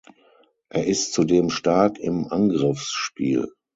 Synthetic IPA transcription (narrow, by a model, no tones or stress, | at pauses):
ʔeːɐʔɪstt͡sudeːmʃtaɐkʰɪ̰mʔanɡʁɪfsʃpḭːl